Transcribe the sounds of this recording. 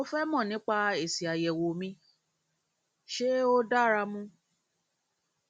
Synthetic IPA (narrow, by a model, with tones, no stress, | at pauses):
o˦fɛ˦mɔ̃˦˨nĩ˨˦k͡pa˧e˨si˨a˨jɛ˨wo˨mĩ˧˦ | ʃe˦o˦da˦ɾa˧mũ˦